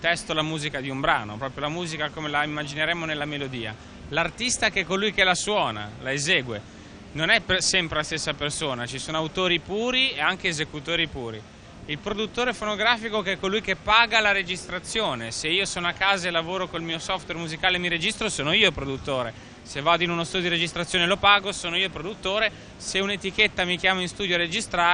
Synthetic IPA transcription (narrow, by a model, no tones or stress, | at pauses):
t̪ɛst̪olamuːzikad̪iumbɾa̰ːno̰pɾɔːpɾjolamuːzikakomelaimːad͡ʒineɾɛmːonelːamelod̪iːa̰ | lart̪ist̪akɛkːolujkelaswɔːna̰laezeːɡwe | nonɛpesɛmpɾelast̪esːapersoːnat͡ʃisoːnoawt̪oːɾipuːɾieaŋk̟eːzekut̪oːɾipuːɾi | ilpɾod̪ut̪ːoːɾefonoɡɾaːfikokɛkːolujkepːaːɡalaɾed͡ʒist̪ɾat̪sːjoːneseiːosoːnoakːaːzaelavoːɾokoilmiːosɔft̪wermuzikaːlemiɾed͡ʒist̪ɾosoːnoiːopɾod̪ut̪ːoːɾe | sevːaːd̪oinunost̪ud̪j̪oɾed͡ʒist̪ɾat̪sːjoːnelopaːɡosoːnoiːopɾod̪ut̪ːoːɾe | seunet̪iket̪ːamikjaːmoinst̪uːd̪joaɾed͡ʒist̪ɾa